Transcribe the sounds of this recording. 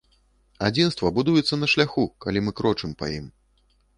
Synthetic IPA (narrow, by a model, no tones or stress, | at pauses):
ad͡zʲinst̪vɐbud̪ujɛt̪sːɐnɐʂlʲaxukalʲimɨkɾɔt͡ʂɨmpa̰jim